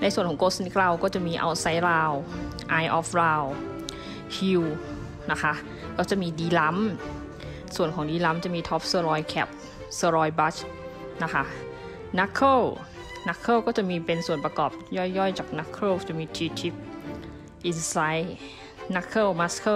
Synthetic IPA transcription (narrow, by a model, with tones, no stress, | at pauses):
na˧jsu˨˩ənkʰɔː˩˦ŋkoː˧˦˥sni˧˥k̚laː˧wkɔː˥˩t͡ɕa˨˩ʔ̚miː˧ʔa̰˧wsa˦˥jɾaː˧w | ʔaː˧jʔɔː˦˥fɾaː˧w | hi˧w | na˦˥kʰa˦˥ | kɔː˥˩t͡ɕa˨˩miː˧diː˧la˦˥m | su˨˩ənkʰɔː˨˦ŋdiː˧la˦˥mt͡ɕa˨˩miː˧t̪ʰɔː˦˥p̚sɤː˧ɾɔː˧jkʰɛ̰˧˩p̚ | sɯː˧ɾɔː˧jba˦˥t͡ɕ | na˦˥kʰa˦˥ | na˦˧˥kʰːɤː˥˩w | na˧˦˥kʰːɤː˥˩wkɔː˥˩t͡ɕa˨˩ʔ̚miː˧pe˧nsu˨˩ənpa˧kɔː˨˩p̚jɔː˥˩jːɔː˥˩jt͡ɕaː˨˩k̚na˦˥kʰːɾoː˥˩t͡ɕːmiː˧t̪ʰiː˧t̪ʰi˦˥p̚ | ʔi˧nsa˧˦˥j | na˦˧˥kʰːɤː˥˩wma˧˥skʰɤ˥˩